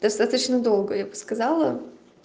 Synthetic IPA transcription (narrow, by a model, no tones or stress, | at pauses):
d̪ɐst̪at̪ət͡ɕnəd̪o̞lˠɡəjabɨskɐzɑlˠə